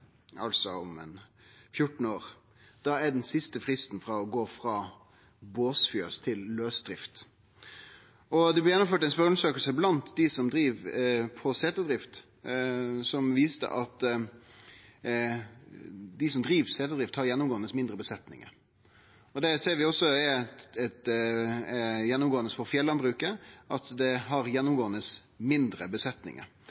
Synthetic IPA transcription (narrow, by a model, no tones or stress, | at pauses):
ɑ̰lsɔɔ̰mɛ̰n | fjʊʈn̩oːɾ | d̪̥ɑɛɖɛnsɪst̪əfɾɪst̪n̩fɾɑɔɡoːfɾɑː | boːsfyːəst̪ʰɪlːøːsd̪ɾɪft̪ | ɔd̪ɛblɪjɛnːʊmføːʈɛnspœɾnsøːkəlsəblɑnt̪d̪ɪsɔmd̪ɾiːʋpʰɔseːt̪əd̪ɾɪft̪ | sɔmʋiːst̪ə̰ʔɑt̪ | d̪ɪsɔmd̪ɾiːʋseːt̪əd̪ɾɪft̪hɑɾjɛnːʊmɡoːnəsmɪnd̪ɾəbəsɛt̪nɪ̰ŋə̰ | ɔd̪ɛseːɾʋɪɔsːɔ | ɛt̪ | jɛnːʊmɡoːnəsfɔɾfjɛlːɑnbɾʉːkəʔɑt̪d̪ɛɦɑɾjɛnːʊmɡoːənəs | mɪnd̪ɾəbəsɛt̪nɪ̰ŋə̰ɾ